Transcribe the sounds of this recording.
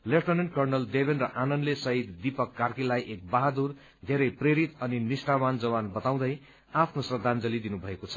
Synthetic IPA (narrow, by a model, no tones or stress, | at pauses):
lepʈʌnenʈ̚kʌrnʌld̪ebʱenrʌʔanʌnlesʌɦit̪d̪ipʌkːarkilajʔek̚baɦad̪ur | d̪ʱeɾʌjpreɾit̪ʌninisʈamand͡zʌwanbʌt̪aw̃d̪ʌj | apʰnosrʌd̪ʱand͡zʌlid̪inubʱʌekot͡sʰʌ̥